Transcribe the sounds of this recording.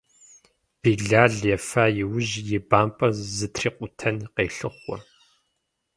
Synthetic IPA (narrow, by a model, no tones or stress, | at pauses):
b̥iːɮaːɮjɛfaːjɪwʊʒjɪbaːmpʼɐzɨtʰriːqʷʼʊtʰɐnqeːɬɨχʷɔ̰